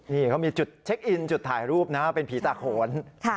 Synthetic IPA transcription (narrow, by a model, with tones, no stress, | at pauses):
niː˥˩kʰa˦˥wmiː˧t͡ɕu˨˩t̪̚t͡ɕʰe˦˥k̚ʔi˧nt͡ɕt̪ʰːaː˨˩jɾuː˥˩p̚na˦˥pe˧npʰiː˩˦˥t̪aː˨˩kʰoː˩˦nkʰ